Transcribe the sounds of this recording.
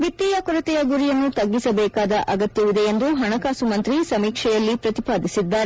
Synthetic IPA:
ʋit̪ːiːjɐkɔɾɐt̪ɛjɐɡuɾijɐnːut̪ɐɡːisɐbɛːkaːd̪ɐʔɐɡɐt̪jɐʋid̪eend̪uɦɐɳɐkaːsumɐnt̪ɾisɐmiːkʂɛjɐlːipɾɐt̪ipaːd̪isid̪ːaːɾe

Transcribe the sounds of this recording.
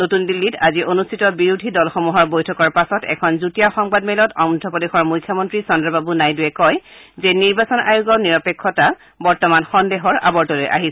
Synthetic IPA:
notundilːitaziʔonustʰitɔbiɹudʱidɔlxɔmuɦɔɹbojtʰɔkɔɹpasɔtɛ̰kʰɔnzutijaxɔŋbadmɛlɔtɔŋdʱɔpɔdexɔɹmujkʰjɔmɔntɹisɔndɹɔbabunajduɛkɔjzeniɹbasɔna̰juɡɔniɹɔpekʰːɔta | bɔɹtɔmanxɔndeɦɔɹa̰bɔɹtɔlojʔa̰ɦisɛ

